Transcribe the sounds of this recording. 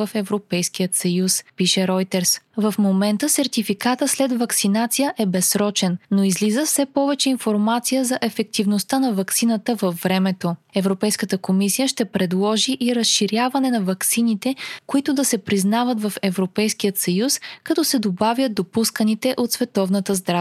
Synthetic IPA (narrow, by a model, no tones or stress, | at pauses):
əfɛvɾopɛjsk̟ijət̪sɐjuspiʃɛɾɔjt̪ɛɾsvɐfmomɛnt̪əsɛɾt̪ifikat̪əslɛd̪vɐksinat̪sijəʔɛbɛsɾɔt͡ʃɛnnoizlizəfsɛpɔvɛt͡ʃɛinfoɾmat̪sijəzɐʔɛfɛk̚t̪ivnost̪anɐvɐksinət̪əvəfːɾɛmɛt̪oɛvɾopɛjskət̪əkomisijəʃt̪ɛpɾɛd̪lˠɔʒiʔiɾəsʃiɾʲjavɐnɛnɐvɐksinit̪ɛkoit̪ʊd̪ɐsɛpɾiznavət̪vɐfɛvɾopɛjsk̟ijət̪sɐjuskɐt̪ɔsɛd̪obavjəd̪̚d̪opuskənit̪ɛʔot̪svɛt̪ɔvnət̪əzd̪ɾa